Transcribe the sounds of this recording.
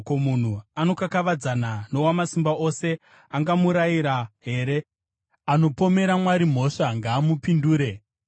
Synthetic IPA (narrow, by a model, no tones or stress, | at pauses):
komun̤uano̞kakaʋad͡zanano̞wamasimbao̞se̞ | aŋɡamuɾaiɾaɦe̞ːɾe̞ | ano̞po̞me̞ɾamwaɾim̤o̞ʂaŋɡaːmupinduːɾe̞